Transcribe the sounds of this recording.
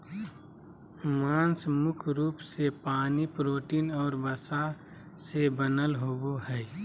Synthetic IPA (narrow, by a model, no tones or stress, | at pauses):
mãːnsmʊkʰɾuːpsepaːnipɾoːʈiːnɔːɾbəsa | sebənəlɦoboɦɛː